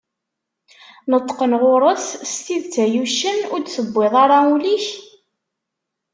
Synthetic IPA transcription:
nət̪ˤːqənʁʊɾˤəθst̪iðt͡sæjuʃənʊɾd̪θəbːɪðˤɑɾˤɑuliç

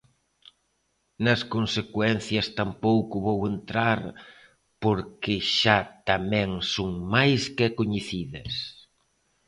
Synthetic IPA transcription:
nɐskonsekwɛnθjɐst̪ampowkʊβowent̪ɾaɾ | poɾkɪʃat̪amɛ̃ŋsoŋmajskekoɲeθiðɐ̰s

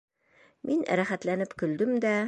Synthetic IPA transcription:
mʔinɾæχæt̪lænɘpkɵ̆ld̪ɘmd̪æ

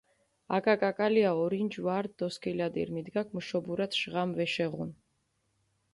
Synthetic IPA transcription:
a̰kʼakʼakʼaliaɔɾind͡ʒvaɾd̪d̪ɔskʰilad̪ḭɾmid̪ɡakʰmʃɔbuɾat̪ʃʁamvɛʃɛʁun

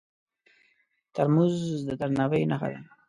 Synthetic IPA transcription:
t̪aɾmuzd̪əd̪aɾnawəjnaxa̰d̪a

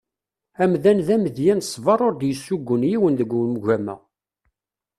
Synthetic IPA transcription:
æmðænðæməðjænsˤːvɑɾˤoɾd̪jəsːuɡʷːənjiwənðəɡʷːulmʝæmæ̰

